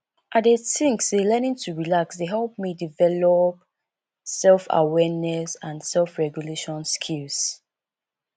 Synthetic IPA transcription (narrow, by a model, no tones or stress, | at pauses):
ʔadetĩŋksdelɛnĩŋtʰuɹilaksdeɦɛlp̚midivɛlɔp̚ | sɛlfa̰wɛnɛsãnsɛlfɹɛɡjuleʃɔ̃nskʰils